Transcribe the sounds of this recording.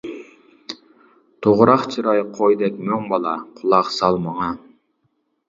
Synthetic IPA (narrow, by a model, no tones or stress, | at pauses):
t̪ʰoʁɾɑχt͡ʃʰɨɾɑjqʰojd̪ɛkʲmøŋbɑlˠɑqʰʊlˠɑqsɑlˠmɑŋɑ